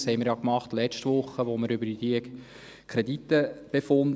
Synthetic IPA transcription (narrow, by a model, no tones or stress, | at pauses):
shɛɪməɪɾjɑkmɑχtlɛt͡ʃtʋʊχːəʋoməɾʏbədid̥iə | kʰɾedit̪ːəb̥efʊnd